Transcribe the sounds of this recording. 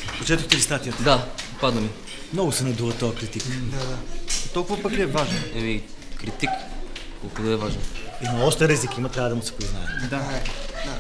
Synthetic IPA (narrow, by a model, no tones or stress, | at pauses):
pot͡ʃɛt̪ʊt̪ɛɾist̪at̪ijət̪d̪apad̪nəmi | mnɔɡʊsɛnɐd̪uvɐt̪ːɔjɐkɾit̪ikd̪ad̪at̪ɔlˠkʊvɐpɐklʲɛvaʒɛnɛmikɾit̪ik | kɔlˠkʊt̪oɛvaʒɛnimɐɔʃt̪ɛɾizikimɐt̪ɾʲavəd̪ɐmʊsɛ̥piznajɛ̰d̪ad̪a